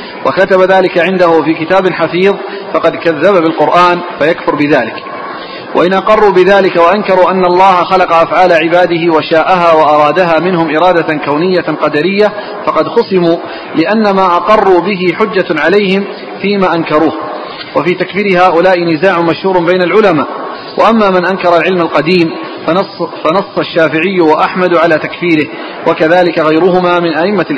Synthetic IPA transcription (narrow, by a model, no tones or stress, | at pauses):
wʔakat̪abaðaːlɪkaʕɪnd̪ahʊfiːkɪt̪aːbɪnħafiːðˤ | fɑqɑd̪kaðːababɪlqʊɾʔaːnfajakfʊɾbɪðaːlɪk | wʔaʔɪnʔɑqɑrˤːuːbɪðaːlɪkawaʔankɑɾˤuːʔanːaʔɑlˤːɑːhaxɑlɑqɑʔafʕaːlaʕɪbaːd̪ɪhɪwaʃaːʔaɦaːwɑʔɑɾˤɑːd̪aɦaːmɪnhʊmʔɪɾˤɑːd̪akawnɪjːaqɑd̪aɾɪjːa | fɑqɑd̪xʊsɪmuː | lɪʔanːamaːʔɑqɑrˤːuːbɪɦɪħʊd͡ʒːaʕalajhɪm | fiːmaːʔankɑɾˤuːh | wafiːt̪akfiːɾɪɦaːʔʊlaːʔɪnɪzaːʕʊmaʃhuːɾˤbajnalʕʊlamaːʔ | waʔamːaːmɪnʔankɑɾˤɑlʕɪlmalqɑd̪iːm | fanɑsˤːɑʃːaːfɪʕɪjːʊwaʔaħmad̪ʕalaːt̪akfiːɾɪh | wʔakaðaːlɪkaɣajɾʊɦʊmaːmɪnʔaʔɪmːa